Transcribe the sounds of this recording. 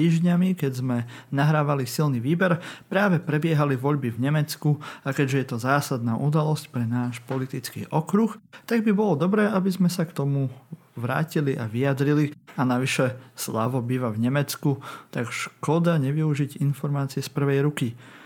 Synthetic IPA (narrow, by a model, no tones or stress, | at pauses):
t̪iːʒɲamikɛɟzmɛnaɦɾaːʋalisilniʋiːbɛɾpɾaːʋɛpɾɛbɪɛɦaliʋɔʎbivɲɛmɛt͡skuakɛɟʒɛjɛt̪ɔzaːsad̪naːʔud̪alɔscpɾɛnaːʃpɔlit̪it͡skḭːʔɔkɾuxt̪aɡbibɔlɔd̪ɔbɾɛːʔabizmɛsakt̪ɔmu | ʋɾa̰ːciliʔa̰ʋijad̪ɾilianaʋiʃɛsla̰ʋɔbiːʋavɲɛmɛt͡skut̪aɡʃkɔd̪aɲɛʋiuʒiɟinfɔɾmaːt͡siɛspr̩ʋɛjɾuki